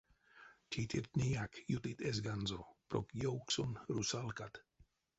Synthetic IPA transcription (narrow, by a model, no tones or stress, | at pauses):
t̪ʰit̪ʰiɾt̪nʲijakjut̪it̪ezɡanzopɾo̰kjowksonɾusalkat̪